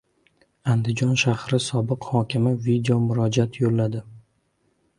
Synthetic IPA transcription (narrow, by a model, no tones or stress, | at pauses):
and̪ɪd͡ʒɒnʃahɾɪsɒbɪqhɒkʲʰɪmɪvid̪eomʊɾɒd͡ʒat̪ʰjolːad̪ɪ